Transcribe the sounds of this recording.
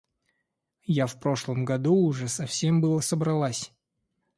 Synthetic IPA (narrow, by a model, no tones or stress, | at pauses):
jafpɾo̞ʂlˠəmɡɐd̪uʊʐɛsɐfsʲe̞mbɨlˠəsəbɾɐlˠasʲ